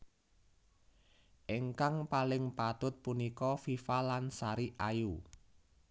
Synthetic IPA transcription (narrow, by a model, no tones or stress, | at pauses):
ʔeŋkaŋpalɪŋpat̪ʊt̪̚punikɔfifalansaɾiʔaju